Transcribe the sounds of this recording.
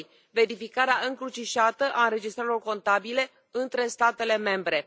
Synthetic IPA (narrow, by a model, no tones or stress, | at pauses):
j | ve̞ɾifikaɾeaʔɨŋkɾut͡ʃiʃat̪əʔaɨnɾe̞d͡ʒist̪ɾaɾeɾo̞rko̞nt̪abile̞ | ɨnt̪ɾe̞st̪at̪e̞le̞me̞mbɾe̞